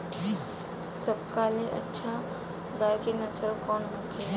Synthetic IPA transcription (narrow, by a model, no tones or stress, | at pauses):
səbkaleʔə̰tːʃʰa | ɡajkenəsəɾkɔːnɦokʰe